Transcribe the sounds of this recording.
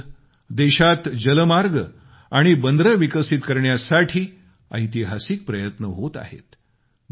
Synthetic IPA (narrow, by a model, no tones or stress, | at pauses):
d̪eɕat̪d͡ʑələmaɾɡ | aɽ̃ibənd̪ɾəʋikəsit̪kəɾɳjasaʈʰiː | ə̰jt̪iɦasik̚pɾəjət̪nəɦot̪a̰ɦḛt̪